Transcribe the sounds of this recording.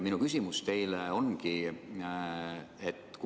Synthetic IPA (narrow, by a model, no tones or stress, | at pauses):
minukysimust̪e̞jleo̞nki | et̪ːˑk